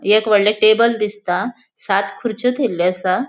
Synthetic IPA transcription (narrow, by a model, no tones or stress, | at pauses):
ekʋəɽleʈebəld̪ist̪a | sat̪kʰuɾt͡ɕət̪ʰelːeəsa